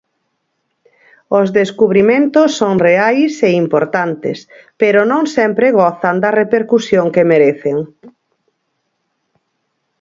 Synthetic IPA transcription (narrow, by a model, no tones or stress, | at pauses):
ozðeskuβɾimẽnt̪osːõŋreajseimpoɾt̪ant̪ḛspeɾonõŋsɛmpɾeɣɔθand̪ɐrepeɾkusjoŋkemeɾeθeŋ